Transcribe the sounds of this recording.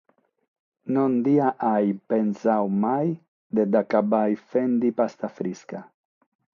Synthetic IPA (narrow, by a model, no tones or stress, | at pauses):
nond̪iaʔajpensawmaj | d̪ed̪akabajfend̪ipast̪afɾiska